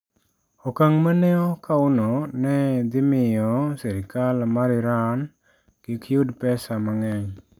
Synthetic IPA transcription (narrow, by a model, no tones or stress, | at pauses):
ɔkaŋmanɛɔkaʊnɔnɛd̪ɪmɪjɔsɛɾɪkalmaɾɪɾan | kɪkʰjudpɛsamaŋɛɲ